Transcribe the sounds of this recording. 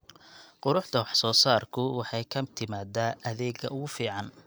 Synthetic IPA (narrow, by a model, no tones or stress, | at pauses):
qʊɾʊħd̪ɐwɑħsɔːsaːrkʰʊwɑħɑjkʰɐmt̪ʰɪmaːd̪aːʔɐðɛːɡɐ̰ʊɣʊfiːʕɑn